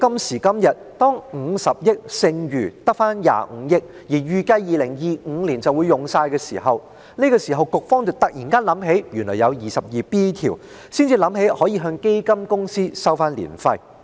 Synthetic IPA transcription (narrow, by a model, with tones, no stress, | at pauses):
kɐ˥msiː˨˩kɐ˥mjɐ˨t̚t̪ɔː˥ŋŋ̩˨˧sɐ˨p̚jɪ˥k̚sɪ˧ŋjyː˨˩t̪ɐ˥k̚faː˥nja̰ː˨ŋ̩˨˧jɪ˥k̚ | jiː˨˩ɥyː˨˧kɐ˧jjiː˨lɪ˨˩ŋjiː˨˧ŋ̩˨˧liː˨˩nt͡sɐ˨wu˨˧jːʊ˨ŋsaː˧jkɛː˧sḭː˨˩ɦɐ˨w | ni˥kɔː˧siː˨˩ɦɐ˨wkʊ˨k̚fɔː˥ŋt͡sɐ˨wt̪ɐ˨k̚jiː˨˩nkaː˥nlɐ˨˥mɦe˨˥jjy˨nlɔ̰ː˨˩jɐ˨˧wjiː˨sɐ˨p̚jiː˨piː˥t̪ʰḭː˨˩w | siː˥nt͡siː˧lɐ˨˥mhe˨˥jhɔː˨˥jiː˨˧ɦœː˧ŋke˥jkɐ˥mkʊ˥ŋsiː˥sɐ˥wfaː˥nlḭː˨˩nfɐ˧j